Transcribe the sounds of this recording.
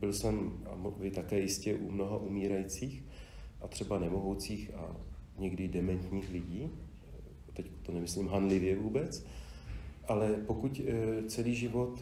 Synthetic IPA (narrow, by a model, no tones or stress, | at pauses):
bɪlsɛma̰mvɪt̪akɛːjɪscɛʔumno̞ɦaʔumiːɾajit͡siːx | ʔat̪r̥ɛbanɛmoɦowt͡siːxa̰ɲɛɡdɪdɛmɛnt̪ɲiːxlɪɟiː | t̪ɛcku̥t̪onɛmɪslimɦanlɪvjɛvuːbɛt͡s | ʔalɛpokuct͡sɛliːʒɪvo̞t̪